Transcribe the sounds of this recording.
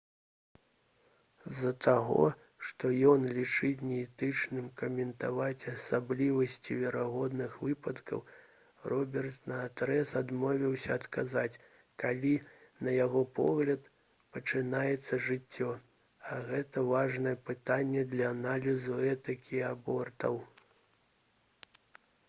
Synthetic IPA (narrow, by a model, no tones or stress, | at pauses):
zɐt̪ʰaɣɔ̰ | ʂt̪ɔjɔnlʲit͡ʂɨt͡sʲnʲɛɛt̪ɨt͡ʂnɨmkɐmʲɛnt̪avat͡sʲɐsablʲivɐsʲt͡sʲivʲɛɾaɣɔd̪nɨxvɨpɐt̪kɐ̰w | rɔbʲɛrt̪nɐːt̪ɾɛsad̪mɔvʲiwsʲɐːt̪kazat͡sʲ | kalʲinɐjaɣɔpɔ̰ɣlʲɐt̪ | pɐt͡ʂɨnajɛt̪sːɐʐɨt͡sʲːɔ | ɐɣɛt̪ɐvaʐnɐjɛpɨt̪anʲːɛd̪lʲɐːnalʲizuɛt̪ɐkʲiabɔrt̪ɐ̰w